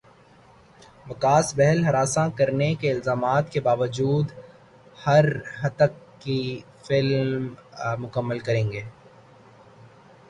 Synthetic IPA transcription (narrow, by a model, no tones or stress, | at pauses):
ʋɐkaːsbɛɦɛlɦɐɾaːsãkɐɾnekeɪlzaːmaːt̪kebaːʋəd͡ʒuːd̪ | hɐɾɦɐt̪əkː | i | fɪlmmʊkəmːəlkɐɾẽːŋɡeː